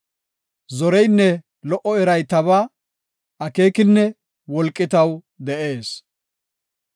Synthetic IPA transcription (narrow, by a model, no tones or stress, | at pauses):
zɔɾɛjnːɛ | lɔʔɔɛɾɐjt̪ɐβa | ɐke̞ːkɪnːɛ | wɔlkʼːɪt̪ɐw | d̪ɛʔe̞ːs